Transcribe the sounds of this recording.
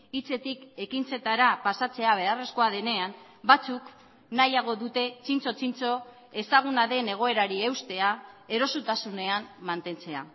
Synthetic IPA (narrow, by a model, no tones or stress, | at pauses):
it͡se̞t̪ike̞kint͡se̞t̪aɾapasat͡se̞aβe̞are̞sko̞aðe̞ne̞am | bat͡suk | najaɣ̞o̞ðut̪e̞t͡sint͡so̞t͡sint͡so̞ | e̞saɣ̞unaðe̞ne̞ɣ̞o̞e̞ɾaɾiewst̪e̞ae̞ɾo̞sut̪asune̞amːant̪e̞nt͡se̞a̰